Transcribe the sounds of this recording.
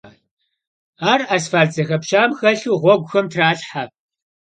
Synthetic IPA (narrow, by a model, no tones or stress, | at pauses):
aːraːsfaːɮd͡zɐxɐpʃaːmxɐɬuːʁʷɔɡʷʊxɐmtʰraːɬħa